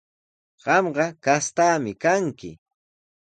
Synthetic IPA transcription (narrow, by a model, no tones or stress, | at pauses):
ɢ̥ɑmɢɑkast̪aːmɪkaŋkɪ̰